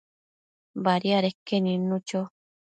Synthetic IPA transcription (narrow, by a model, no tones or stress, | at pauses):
baɾiaɾekːenĩnũt͡ʃo